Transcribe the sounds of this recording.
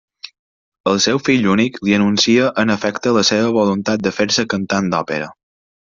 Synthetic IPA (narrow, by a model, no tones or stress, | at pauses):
əlˠsɛwfiʎunikliənunsiəʔənəfɛkt̪ələseβ̞əβolunt̪at̪̚d̪əfeɾsəkənt̪and̪ɔpeɾə̰